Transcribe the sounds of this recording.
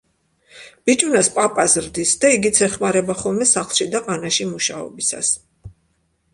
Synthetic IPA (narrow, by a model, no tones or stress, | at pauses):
b̥it͡ʃʼnaspʼapʼazɾd̪isd̪aiɡit̪sʰɛχmaɾɛbaχɔlˠmɛsaχlˠʃid̪aqʼanaʃimuʃaɔ̰bisa̰s